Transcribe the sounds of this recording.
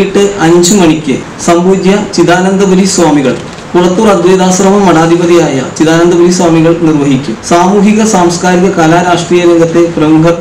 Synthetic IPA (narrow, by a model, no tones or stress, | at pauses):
iʈːɨʔɐɲd͡ʑɨmɐɳikʲːɨ | sɐmbuːd̪jɐt͡ɕiðaːnɐnd̪ɐbɐɾisʋaːmiɣɐ̰ɭ | purɐt̪ːuːrɐd̪ʋejd̪aːsrɐmɐmːɐɽaːd̪ʱibɐd̪ijaːjɐ̰t͡ɕiðaːnɐnd̪ɐbɐɾiswaːmiɣɐɭnirʋɐɦikʲːumsaːmuːɦiɣɐsaːmskaːɾiɣɐkaːlaːɾaːʂʈriːjɐɾeŋɡɐt̪ːe̞prɐmuɡʱɐ